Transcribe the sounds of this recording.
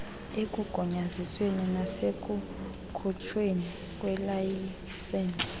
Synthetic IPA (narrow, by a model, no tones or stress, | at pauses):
ek̬ʼuɡ̥ʱɔɲazisweninasek̬ʼu | kʰut͡ʃʰweni | k̬ʼwɛlaj | sɛns